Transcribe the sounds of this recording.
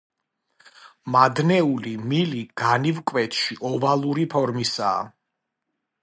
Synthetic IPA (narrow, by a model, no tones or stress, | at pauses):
mad̪nɛulimiliɡ̥anivkʼwɛt̪ʃiʔɔvalˠuɾipʰɔɾmisa̰ː